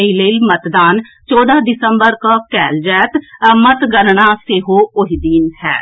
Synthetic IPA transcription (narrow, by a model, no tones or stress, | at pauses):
eileːlmət̪d̪aːn | t͡ʃɔːd̪aːd̪ɪsəmbəɾkakɛːld͡ʒɛːt̪mət̪ɡənɳaːseɦoːʊɦid̪iːnɦɛ̰ː